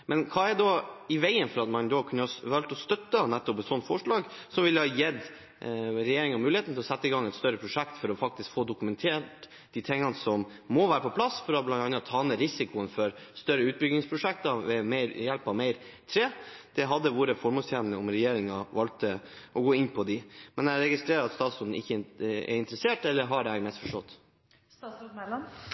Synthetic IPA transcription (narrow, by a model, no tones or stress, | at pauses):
mɛnkʰɑːɛd̪ɔɪʋæɪənfɔɾɑt̪mɑnd̪ɔkʰʉnːəhɑʋɑlt̪ɔst̪œt̪ːənæt̪ːɔpɛt̪sɔnt̪fɔʂɭɑːɡsɔmʋɪlːəhɑːjɛd̪ | ɾɛjeːɾɪŋɑmʉːlɪeːt̪n̩t̪ɪlɔsɛt̪ːəɪɡɑŋɛt̪st̪œɾːəpʰɾʊʂɛkt̪fɔɾɔfɑkt̪ɪskfoːd̪ʊkʉmɛnt̪ʰeːʈ | d̪̥iːt̪ʰɛŋːɑnsɔmːɔʋæːɾəpɔpʰlɑsfɔɾɔblɑnt̪ɑnːɑt̪ʰːɑːnɛːɾɪsɪkʊənfɔɾst̪œɾːəʉːt̪̚bʏɡnɪŋspʰɾʊʂɛk̚t̪ɑʋɛmæɪɾjɛlpɑʋmeɪɾ | t̪ʰɾeːd̪̥ɛɦɑd̪ːəʋuːɾəfɔɾmoːlst̪ʰæːnənəʊmɾɛjeːɾɪŋɑʋɑlt̪əʔɔɡoːɪnpʰɔd̪ɪmɛnæɾɛɡɪst̪ɾeːɾɑɾɑt̪st̪ɑːt̪sʊnd̪n̩ɪçːəɛ̰ɾɪnt̪əɾəseːʈɛlːəɾɦɑɖɛæɡmɛst̪fɔʂʈɔt̪ː